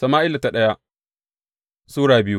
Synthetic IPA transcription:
sɐ˨maː˦ʔɪ˦la˨ta˨ɗɐ˦ja˦ | suː˦ɽaː˨bɪ˦ju˦

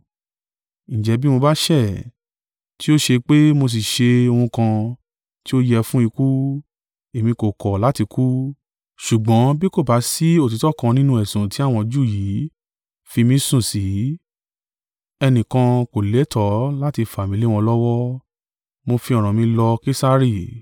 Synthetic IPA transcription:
ñ̩˨d͡ʒɛ˨˧˦bi˦mo˧ba˦ʃɛ˦˨ | ti˦o˦ʃe˧k͡pe˦mo˧s̬i˨ʃe˧o˧hũ˧kã˧ | ti˦o˦jɛ˧fũ˦i˧ku˦ | e˨mĩ˧ko˨kɔ˨la˨˦ti˧ku˦ | ʃu˨ɡ͡bɔ̃˨˦bi˦ko˦˨ba˨˦si˦o˦˨ti˨˦tɔ˦˨kã˧nĩ˦nũ˧˦ɛ˨sũ˨ti˦a˦˨w̃ɔ̃˧d͡ʒu˦˨ji˨˦ | fi˧mĩ˦sũ˦˨si˨˦ | ɛ˧nĩ˨kã˧ko˨le˨˦tʰɔ˨˦la˦ti˧fa˨mĩ˨li˦w̃ɔ̃˧lɔ˦wɔ˦ | mo˧fĩ˧ɔ˨ɾ̃ã˨mĩ˧lɔ˧ke˦sa˦ɾi˦˨

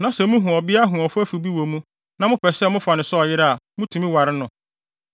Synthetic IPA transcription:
nã˨˦sɛ˨mũ˦ɦũ˨ɔ˨bɪ˦a˦ɦũ˨ɔ˨fʊ˦æ˦fu˨bi˦wo˨mũ˦ | nã˦mʊ̃˦pʰɛ˨sɛ˦mʊ̃˦fa˨nɪ̃˨sɔ˦ɔ˨jɪ˦ɾa˦a˨mʊ̃˦tʰũ˨mĩ˦wa˨ɾɪ˦nʊ̃˨

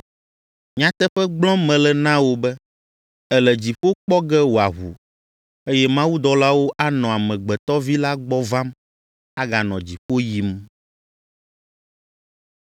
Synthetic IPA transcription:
ɲã˨t̪ɛ˦ɸɛ˦ɡ͡blɔ̃˦mɛ̃˨lɛ˨nã˦wo˦bɛ˦ | ɛ˦lɛ˨d͡ʑi˨ɸo˦k͡pɔ˦ɡɛ˦wo˨a˨ɦṵ˨ | e˦jɛ˦mã˦wu˦d̪ɔ˨la˦wo˦ʔa˦nɔ̃˨a˨mɛ̃˨ɡ͡bɛ˨t̪ɔ˦vi˦la˦ɡ͡bɔ˦vã˦m | a˦ɡa˨nɔ̃˨d͡ʑi˨ɸo˦ji˦m

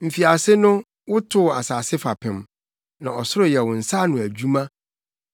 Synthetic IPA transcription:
m̩˨fi˨a˨sɪ˦nʊ̃˦ | wʊ˦tʰʊ˦˨a̰˨saː˨sɪ˦fa˨pʰɪ̃˨m | nã˨ɔ˨sʊ˦ɾʊ˨jɛ˨wʊ̃˨n̩˨sa˦˨nʊ̃˨æ˨d͡ʑᶣu˦mã˦

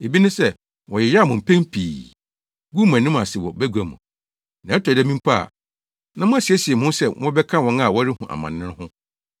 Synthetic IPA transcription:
e˨bi˦nʊ̃˦sɛ˦˨ | wɔ̃˨jɪ˨ja˦˨mʊ̃˨m̩˨pʰɛ̃˦mpʰiː˨ | ɡu˦mã˨nĩ˦m˦a˨sɪ˨wɔ˨bæ˦ɡʷæ˨mṵ̃˨ | nã˨˦ɛ˦tʰɔ˨dɛ˦mĩ˦m˦pʰa˦a̰˨ | nã˦mʊ̃˦a˨si˨æ˦si˨ɛ˨mʊ̃˦sɛ˦˨wʔɔ̃˦bɛ˦kʰã˦wɔ̃˨˦na˦˨wɔ˦ɪ˦hũ˨ʔa̰˨mã̰˨nːɪ̃˦ɪ̃˦hʊ̃˦

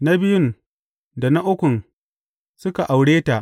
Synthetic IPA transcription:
na˦bɪ˦jʊ˦n | da˨na˦ʔʊ˦kʷʊ˨n | sʊ˦ka˨ʔa˨wɽeː˦ta˨ʔ

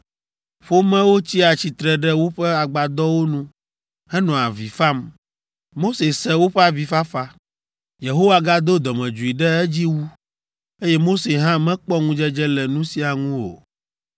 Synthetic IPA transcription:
ɸo˦mɛ̃˦wo˦t͡ɕi˦a˨t͡ɕi˨t̪ɾɛ˨ɖɛ˦wo˦ɸɛ˦a˨ɡ͡ba˨d̪ɔ˦wo˦nũ˦ | ɛ˦nɔ̃˨a̰˨vi˨fa˦m | mo˦se˨sɛ˦wo˦ɸɛ˦a˨vi˨fa˦fa˦ | je˨ɦo˦wa˨ɡa˦d̪o˦d̪ɔ˨mɛ̃˨d͡ʒu˨i˨ɖɛ˦ɛ˦d͡ʑi˦wu˦ | e˦jɛ˦mo˦se˨ɦã˦mɛ̃˦k͡pɔ˦ŋũ˦d͡ʒɛ˦d͡ʒɛ˦lɛ˨nũ˦si˦a˨ŋũ˦wo̰˨

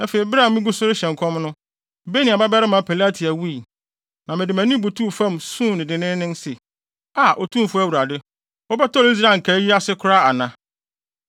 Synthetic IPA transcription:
æ˦fe˨i˨bɪ˦ɾã˦˨m˨mɪ̃˦ɡu˦sʊ˦ɾɪ˦ɕɛ̃˨ŋ˨kʰɔ̃˦mnʊ̃˦˨ | be˦nĩ˨a˨ba˦bɛ˦ɾɪ˦mã˨˦pʰɛ˨la˦tʰi˨æ˨wu˦i˨ | nã˨mɪ̃˨dɪ˨mæ̃˨nɪ̃˦bu˨tʰu˦˨fã˦m˨sũ˦˨nɪ̃˨dɪ̃˨nɪ̃˦nɪ̃˦n˦sɛ˨ | a˨ʔo˨tʰũ˦˨fʊ˦æ˨wu˨ɾa˨dɪ˦ | ɔ˦bɛ˦tɔ˦li˦s̬ɾaː˦˨ŋ̩˨kʰa˨˦ji˦a˦sɪ˦kʰʊ˦ɾa˦a˨nã˦

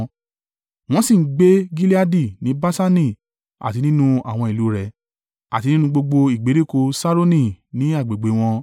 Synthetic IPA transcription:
w̃ɔ̃˦si˦˨˦ɡ͡be˦ɡi˦li˦a˦di˦˨nĩ˨˦ba˦sa˦nĩ˦˨ | a̰˨ti˨˧nĩ˦nũ˧a˦˨w̃ɔ̃˧i˨lu˨˦ɾɛ˧ | a̰˨ti˧nĩ˦nũ˧ɡ͡bo˧ɡ͡bo˧i˨ɡ͡be˨˦ɾi˦˨ko˧sa˦ɾo˦nĩ˦nĩ˨˦a˦˨ɡ͡be˨ɡ͡be˨˦w̃ɔ̃˧

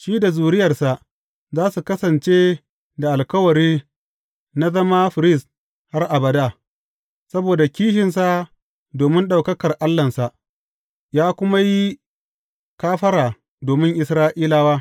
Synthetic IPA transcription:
ʃiː˦da˨zuː˨ɾɪ˦jɐ˨rsa˨ʔ | zaː˦su˨kɐ˦sɐ˨nt͡ʃeː˦ | da˨ʔa˨lkɐ˦wɐ˨ɾiː˦ | na˦zɐ˦ma˦ɸɪ˨ɾɪ˦˨s | ha˦rʔa˨bɐ˨da˦˨ | sɐ˦boː˨da˨kʲiː˦ʃ̬ɪ˨nsa˨ | doː˨mɪ˦nɗa˨wkɐ˦kɐ˨rʔa˦lːɐ˨nsa˨ʔ | jaː˦kʷʊ˦ma˦ji˦ | kaː˦ɸɐ˦ɾaː˨ | doː˨mɪ˦ŋʔɪ˨sɾaː˦ʔiː˦laː˦waː˦

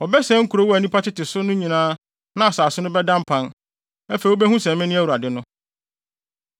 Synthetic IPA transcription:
ɔ˨bɛ˦sɛ̃˦ŋ̩˦kʰu˨ɾo˦wɔ˦æ˨nĩ˦pa˦tɪ˦tɪ˨sʊ˦nʊ̃˦ɲĩ˨nãː˦ | nã˦a˨saː˨sʊ˦nʊ̃˦bɛ˦dã˦m˦pʰã˦n | ɛ˦fe˨wo˦bɛ˦ɦũ˦sɛ̃˨mɪ̃˦nɪ̃˦æ˦wu˨a˨dɪ˦nʊ̃˦

